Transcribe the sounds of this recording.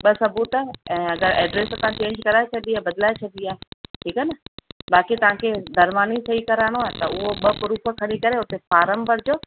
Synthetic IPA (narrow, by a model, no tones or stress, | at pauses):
ɓɐsɐbuːt̪əɛ̃ːɐɡəɾɛːɖɾeːsɐt̪ãt͡ɕẽːɲd͡ʑkɐɾaːet͡ɕʰɐd̪iaːbɐd̪laːet͡ɕʰɐd̪iaːʈʰiːkɛnɐɓaːkit̪ɐʋ̤ãkʰed̪ʱɐɾmaːnisɐikɐɾaːɽ̃oaːt̪ɐʊɦoɓɐpʊɾuːpʰəkʰɐɽ̃ikɐɾeʊt̪efaːɾəmbəɾd͡ʑoː